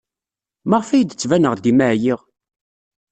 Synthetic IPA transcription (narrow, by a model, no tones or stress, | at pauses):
məʁfæjd̪ət͡sːvænəʁd̪imæʕjiʁ